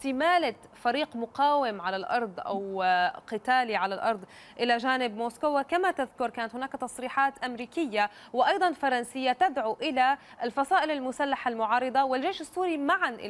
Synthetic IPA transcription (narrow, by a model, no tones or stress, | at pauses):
t̪ɪmaːla | faɾiːqmʊqaːwɪmʕalalʔɑ̰ɾˤd̪ˤʔa̰wqɪt̪aːliʕalalʔɑɾˤd̪ˤ | ʔɪlaʒaːnɪbmoːskʊwakamat̪aðkʊɾkaːnat̪hʊnaːkt̪ɑsˤɾiːħaːt̪ʔamɾiːkɪjːa | wɪʔɑjd̪ˤɑnfɑɾˤɑnsɪjːat̪ad̪ʕuʔɪla | ɪlfɑsˤɑːʔɪlalmʊsalːaħalmʊʕɑːɾˤɨd̪ˤɑwɪlʒeːʃɪsːuːɾimaʕanʔɪ̰